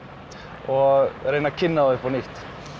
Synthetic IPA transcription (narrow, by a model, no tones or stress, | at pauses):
ɔɾeːjnacʰɪnːaðaʏhpɔniht̪